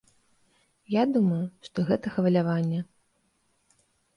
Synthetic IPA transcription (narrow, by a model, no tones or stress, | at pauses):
jad̪umɐjuʂt̪ɔɣɛt̪ɐxɐvɐlʲavanʲːɛ